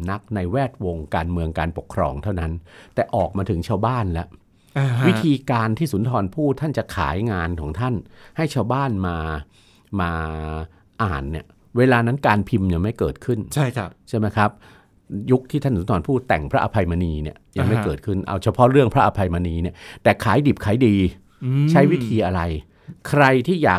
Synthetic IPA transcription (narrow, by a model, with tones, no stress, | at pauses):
na˦˥k̚na˧jwɛː˥˩t̪̚wo˧ŋkaː˧nmɯ˧əŋkaː˧npo˨˩kʰːɾɔ̰ː˧ŋt̪ʰa˥˩wna˦˥nt̪ɛː˨˩ʔɔː˨˩k̚maː˧t̪ʰɯ˩˦ŋt͡ɕʰaː˧wbaː˥˩nlɛ˦˥ʔ | wi˦˥t̪ʰiː˧kaː˧nt̪ʰiː˥˩su˩˦nt̪ʰɔː˧npʰuː˥˩t̪ʰːa˥˩nt͡ɕa˨˩kʰa̰ː˩˦jŋaː˧nkʰɔː˩˦ŋt̪ʰa˥˩nha˥˩jt͡ɕʰaː˧wbaː˥˩nmaː˧ | maː˧ | ʔaː˨˩nːi˥˩ɐ | weː˧laː˧na˦˥nkaː˧npʰi˧mja˧ŋma˥˩jkɤː˨˩t̪̚kʰɯ˥˩nt͡ɕʰa˥˩jʰt͡ɕʰa˥˩ma˦˥jkʰɾa˦˥p̚ | ju˦˥k̚t̪ʰiː˥˩t̪ʰa˥˩su˩˦nt̪ʰɔː˧npʰuː˥˩t̪ːɛ˨˩ŋpʰɾa˦˥ʔa˧pʰa˧jma˧niː˧ni˥˩ɐja˧ŋma˥˩jkɤː˨˩t̪̚kʰɯ˥˩nʔa̰˧wt͡ɕʰa˧pʰɔ˦˥ɾɯ˥˩əŋpʰɾa˦˥ʔa˧pʰa˧jma˧niː˧ni˥˩t̪ɛː˨˩kʰaː˩˦jdi˨˩p̚kʰaː˩˦jdiː˧ | t͡ɕʰa˦˥jwi˦˥t̪ʰiː˧ʔa˧ɾa˧j | kʰɾa˧jt̪ʰiː˥˩ja̰ː˨˩